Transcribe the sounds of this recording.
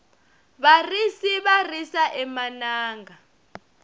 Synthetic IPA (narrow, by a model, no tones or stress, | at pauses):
βarisiβarisaʔɛmanaːŋɡa